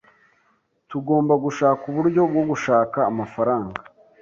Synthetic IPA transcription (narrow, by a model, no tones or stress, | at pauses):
tuɡo̞ːmbaɡuʃaːkuβuɾɟo̞bɡo̞ɡuʃaːkaːmafaɾaːŋɡa